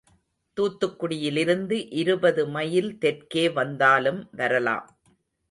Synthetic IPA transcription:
t̪uːt̪ːɯkːʊɽɪjɪlɪɾɯnd̪ɯʔɪɾɯbɐðɯmɐjɪlt̪ɛrkeːʋɐnd̪aːlɯmʋɐɾɐla̰ːm

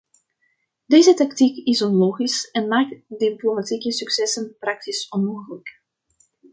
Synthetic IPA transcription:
deːzətɑktikɪsɔnloːxisɛnmaːk̚tdiplomatikəsyksɛsənprɑk̚tisɔnmoːɣələk

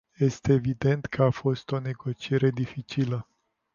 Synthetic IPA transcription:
je̞st̪e̞ːvid̪e̞nt̪kʰəafo̞st̪o̞ne̞ɡo̞t͡ʃie̞ɾe̞d̪ifit͡ʃilə

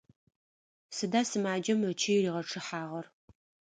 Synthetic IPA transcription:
sɨdaːsɨmaːd͡ʒɐmɐt͡ʃʰijriːʁɐʈ͡ʂʰɨħaːʁɐr

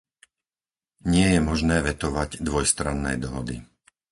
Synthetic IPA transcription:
ɲɪɛjɛmɔʒnɛːʋɛt̪ɔʋaɟd̪ʋɔjst̪ɾanːɛ̰jd̪ɔɦɔd̪ḭ

